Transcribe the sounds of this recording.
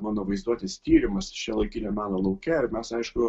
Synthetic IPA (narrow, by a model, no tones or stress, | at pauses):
mɑːnoːʋɐɪzd̪uɔt̪ʲɪst̪ʲiːɾʲɪmɐst͡ʃʲɛlˠɐɪkʲiːt̪ʲɛmɑːnoːlˠɐʊkʲɛɪɾmʲɛsɐɪʃkʊ